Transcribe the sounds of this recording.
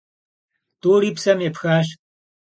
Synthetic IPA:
t̪oːɾipsɐmjepxaʃ

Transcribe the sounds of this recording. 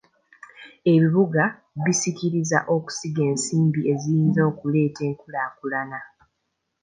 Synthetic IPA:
e̞βiβuɡa | βisikiɾiza̰ʔo̞ku̥siɡe̞ːnsiːmbiʔe̞zijiːnzo̞ːkule̞ːte̞ːŋkulaːkulana

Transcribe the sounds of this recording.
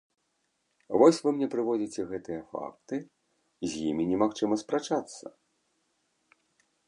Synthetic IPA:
vɔsʲvɨmnʲɛpɾɨvɔd͡zʲit͡sʲɛɣɛt̪ɨjɐfa̰k̚t̪ɨ | zʲjḭmʲinʲɛmaxt͡ʂɨmɐspɾat͡ʂat̪sːɐ̰

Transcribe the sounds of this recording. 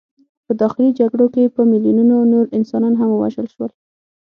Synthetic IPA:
pəd̪ɑxɪlid͡ʒaɡɽokepəmɪljununonoɾɪnsɑnɑnɦamwa̰ʒəlʃwəl

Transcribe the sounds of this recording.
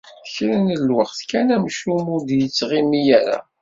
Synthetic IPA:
çɾənəlwəχθkænæmʃumʊɾd̪jət͡sːʁimijæɾa̰

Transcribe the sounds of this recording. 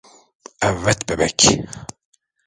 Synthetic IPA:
ævæt̪bæbæk

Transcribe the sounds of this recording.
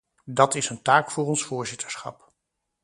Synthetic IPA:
dɑtɪsəntaːkfʊːrɔnsfʊːɹzɪtəɹsχɑ̰p

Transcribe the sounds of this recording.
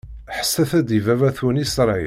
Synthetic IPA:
ħə̥sːæθæd̪ivævæθunisɾˤɑj̰

